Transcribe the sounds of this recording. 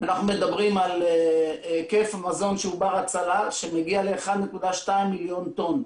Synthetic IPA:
anaχnume̞d̪abʁimalekefamazo̞nʃeubaʁat͡salaʃemeɡiale̞ːχad̪nekud̪aʃtaimːiljo̞nt̪on

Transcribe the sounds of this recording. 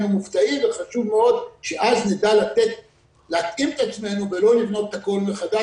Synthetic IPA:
numuft͡saimveχaʃuvmeo̞d̪ʃeʔaznid̪alat̪et̪ | leat̪ʔimet̪at͡sme̞nuve̞lo̞livno̞t̪ako̞lbeχad̪a

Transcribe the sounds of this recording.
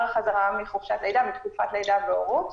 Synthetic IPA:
χazaʁamiχovʃatlejdamitkufatlejdabeoʁot

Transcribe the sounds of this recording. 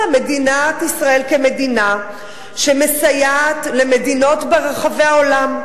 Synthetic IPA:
medinatisʁae̞lke̞me̞dina | ʃemesajaːtle̞me̞dino̞tbeʁeχave̞aolam

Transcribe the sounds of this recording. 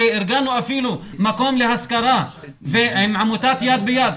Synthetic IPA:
eʔɪɾɡaːnuʔafiːlu | makoːmlɪhaskɑɾˤɑː | feʔmʕamut̪aːt̪jaːd̪̚bɪjaːd̪

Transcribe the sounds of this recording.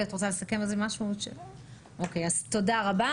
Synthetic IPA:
atʁot͡sale̞sakemalzemaʃuʃḛ | ʔokejazto̞daʁaba

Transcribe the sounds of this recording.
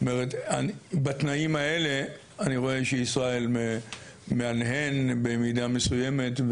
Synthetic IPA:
omeʁetanbat̪naimae̞le̞ | aniʁo̞e̞ʃeisʁae̞lme | me̞anɦe̞nbemid̪ame̞suje̞me̞t

